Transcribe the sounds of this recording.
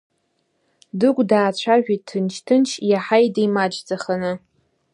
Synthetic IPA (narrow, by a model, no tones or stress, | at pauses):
dɨkʷʼdaːt͡ɕʷʰaʒᶣitʰːɨnt͡ʃʰtʰɨnt͡ʃʰjaħajdejmad͡ʒd͡zaχanɨ